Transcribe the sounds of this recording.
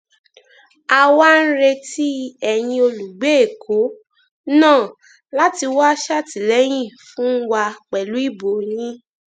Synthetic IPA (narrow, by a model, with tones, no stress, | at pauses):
a˧wa˦n̩˦ɾe˧ti˦ɛ˧j̃ĩ˧o˧lu˨ɡ͡be˦e˦˨kʰo˨˦ | nãː˦˨ | la˦ti˧wa˦ʃa˦˨ti˨lɛ˨˦j̃ĩ˦˨fũ˨˦wa˧k͡pɛ˨lu˨˦i˦˨bo˨nĩ˦